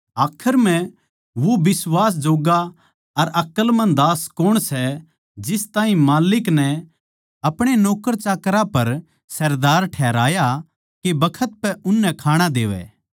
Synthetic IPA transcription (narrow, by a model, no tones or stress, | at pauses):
aːkʰəɾm̤ɛ̃ | ʋobɪswaːs̬d͡ʒoːɡa | ɐɾɐkəlmɐ̃nd̪aːskoɽ̃sɛ | d͡ʒɪst̪ãːĩmaːlɪknɛ | ɐpɽ̃enoːkəɾt͡ʃaːkɾapɐɾ | sɐɾd̪aːɾʈʰɛːɾaːja | kebɐkʰət̪̚pɛʔʊnːɛkʰaːɽ̃ad̪ḛːʋɛ̰ː